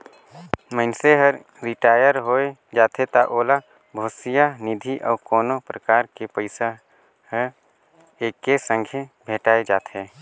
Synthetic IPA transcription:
mənseɦəɾ | ɾɪʈaːjəɾɦoːed͡ʒaːt̪ʰet̪aʔoːla | bʱoːsijanɪd̪ʱiʔɔːɾkɔːnopɾəkaːɾkepəɪsa | ɦə | eːkːesə̃ŋɡʱʰebʱeːʈaːed͡ʒaːt̪ʰeː

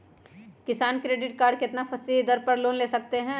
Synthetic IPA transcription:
kɪsaːnkɾeːɖɪʈkaːɾɖ̚keɪt̪nafʰɐsid̪əɾpɐɾloːnleːsɐkt̪eɦɛ̃ː

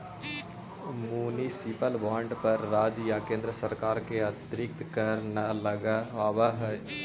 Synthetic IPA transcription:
muːnisɪpəlbaːɳɖpəɾːaːd͡ʒjakẽːnd̪ɾəsəɾkaːɾkeɐt̪ɾɪkt̪kəɾnaləɡaɦowaɦɛ

